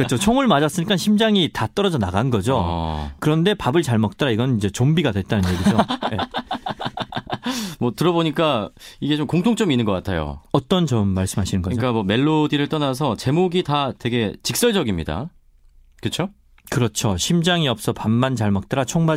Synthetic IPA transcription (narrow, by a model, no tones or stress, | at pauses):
kɯt͡ɕʰot͡ɕʰoŋɯɭmad͡ʑas͈ɯɲik͈anɕʰimd͡ʑaŋitat͈ʌɾʌd͡ʑʌnaɡanɡʌd͡ʑokɯɾʌnde̞pabɯɭt͡ɕaɭmʌk̚t͈aɾaiɡʌnɯnind͡ʑe̞t͡ɕombiɡadwe̞t̚t͈anɯnjeɡid͡ʑoje | mwʌtɯɾʌboɲik͈aiɡe̞t͡ɕomkoŋtʰoŋt͡ɕ͈ominːɯnɡʌk͈atʰajo̰ʌt͈ʌnt͡ɕʌmːaɭs͈ɯmɦaɕʰinɯnɡʌok͈amwʌme̞ɭːodiɾɯɭt͈ʌnasʰʌt͡ɕe̞moɡitatwe̞ɡe̞t͡ɕik̚s͈ʌɭd͡ʑʌɡimɲḭda̰ | kɯt͡ɕʰo | kɯɾʌt͡ɕʰoɕʰimd͡ʑaŋiʌp̚s͈ʌpamːant͡ɕaɭmʌk̚t͈aɾat͡ɕʰoŋma